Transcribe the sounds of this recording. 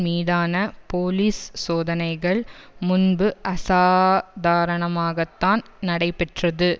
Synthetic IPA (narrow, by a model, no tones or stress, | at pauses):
miːðaːnɐpoːliːssoːðɐnɐɪɣɐɭmʊnbɯʔɐsaːd̪aːɾɐɳɐmaːɣɐt̪ːaːnnɐɽɐɪpɛʈrɐðɯ